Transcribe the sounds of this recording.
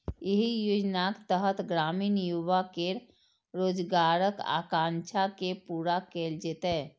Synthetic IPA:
jeɦijod͡ʒnakt̪əɦət̪ɡɾaːmiːnjuʋakeɾ | ɾoːd͡ʒɡaːɾəka̰ːkãːnt͡ʃʰakepuːɾakeːld͡ʒet̪ɦɛ̃ː

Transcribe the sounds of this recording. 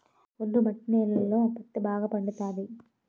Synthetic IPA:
olːumɐʈːneːlːɐlːoɐpːɐt̪ːɯbʱaːɡɐpɐɳɖɯt̪ːaːði

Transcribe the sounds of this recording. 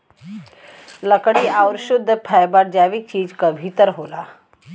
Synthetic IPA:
ləkɽiːʔawɾɕud̪ʱːpʰajbaʈ̚d͡ʑaʋiːk̚t͡ɕiːd͡ʑkəbʱit̪əɾɦola

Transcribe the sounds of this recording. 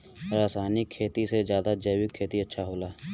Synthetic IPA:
ɾaːsaːnɪkʰːeːt̪ised͡ʒjaːd̪ad͡ʒəːwɪkʰːeːt̪iɐtːʃʰaɦoːlaː

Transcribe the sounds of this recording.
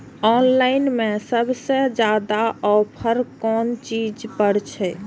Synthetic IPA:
ɔːnlaɪnmẽsəbʱsed͡ʒad̪aɔpʰəɾkɔːnt͡ʃid͡ʒpəɽt͡ʃʰɛ

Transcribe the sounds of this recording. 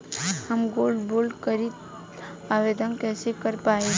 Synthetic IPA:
həmɡoːlɖboːlkəɾit̪̚ | aːʋed̪ənkɛːsekəɾpaːe

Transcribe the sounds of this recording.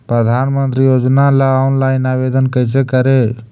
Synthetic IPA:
pɾəd̪ʱaːnmənt̪ɾijoːd͡ʒnalaɔnlaːɪnaːʋed̪ənkəjsekəɾe

